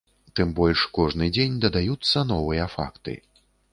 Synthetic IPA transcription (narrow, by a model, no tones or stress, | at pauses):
t̪ɨmbɔlʲʂkɔʐnɨd͡zʲenʲd̪ɐd̪ajut̪sːɐnɔvɨjɐfa̰kt̪ɨ̰